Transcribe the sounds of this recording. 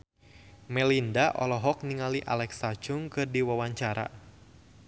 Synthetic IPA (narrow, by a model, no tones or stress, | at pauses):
mɛlindaʔɔlɔɦɔk̚niŋaliʔa̰lɛksat͡ʃʊŋkɨrdiwawaɲt͡ʃaɾa̰